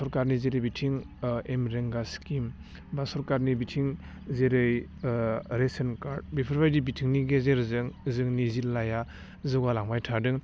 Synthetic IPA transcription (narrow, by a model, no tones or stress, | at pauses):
sɔɾkaɾnizeɾɯjbitʰiŋ | emɾeŋɡaskim | basɔɾkaɾnibitʰiŋ | zeɾɯj | ɾesenkaɾd̚bipʰɔɾbajdibitʰiŋniɡezeɾzɯŋzɯŋnizillaja | zɯɡalaŋbajtʰadɯŋ